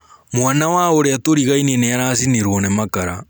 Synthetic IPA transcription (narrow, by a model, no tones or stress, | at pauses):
mwaːnawaoɾeatoɾiɣaineneaɾaːsiniɾwonemakaɾa̰